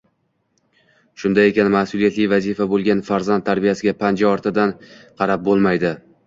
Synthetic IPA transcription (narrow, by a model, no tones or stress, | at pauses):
ʃʊnd̪ajekʲanmahsulˠijat̪lɪjvazifabolˠɡʲanfaɾzant̪ʰːaɾbijasɪɡʲapʰand͡ʒaɒɾt̪ʰɪd̪anqʰɑɾap̚bolˠmajd̪ɪ